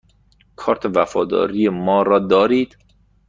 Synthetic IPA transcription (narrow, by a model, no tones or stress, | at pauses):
kʰɒːɾt̪ʰevæfɒːd̪ɒ̰ːɾijemɒːɾɒːd̪ɒːɾiːd̪̥